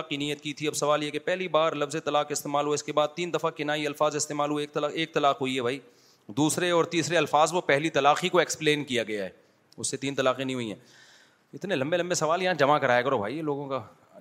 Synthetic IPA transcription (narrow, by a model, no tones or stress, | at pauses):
qiniːjət̪̚kit̪ʰiɐbsɐʋaːljɛkepɛɦlibaːɾlɐfzet̪ɐlaːqɪst̪eːmaːlɦueɪskebaːd̪̚t̪iːnd̪ɐfakɪnaːiɐlfaːzɪst̪eːmaːlɦueeːk̚t̪aeːk̚t̪ɐlaːqɦoiɦɛbʱaːi | d̪uːsɾeɔːɾt̪iːsɾeɐlfaːzʋopɛɦlit̪ɐlaːqikoekspleːnkijaɡɐjaɦɛ̰ː | ʊsːet̪iːnt̪ɐlaːqinɐĩɦuiɦɛ̰ː | ɪt̪nelɐ̃mbelɐmbesɐʋaːljɐɦãd͡ʒɐmakɐɾaːjekɐɾobʱaːiloːɡõka